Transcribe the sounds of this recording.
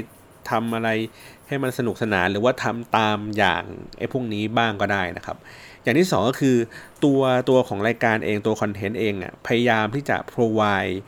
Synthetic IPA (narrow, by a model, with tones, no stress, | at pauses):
j | t̪ʰa˧mʔa˧ɾa˧jha˥˩jma˧nsa˧nu˨˩k̚sa˧naː˩˦nɾɯː˩˦waː˥˩t̪ʰa˧mt̪aː˧mja̰ː˨˩ŋʔa̰˧˥˩jpʰu˥˩əŋniː˦˥baː˥˩ŋkɔː˥˩daː˥˩jna˦˥kʰa˦˥p̚jaː˨˩t̪ʰiː˥˩sɔː˩˦ŋkɔː˥˩kʰɯː˧t̪u˧ɐt̪u˧ɐkʰɔː˩˦ŋɾaː˧jkaː˧nʔeː˧ŋt̪u˧ɐkʰɔ˧nt̪ʰe˦˥nʔeː˧ŋʔa̰˩pʰa˧ja˧jaː˧mt̪ʰiː˥˩t͡ɕa̰˨˩pʰɾoː˧waː˧j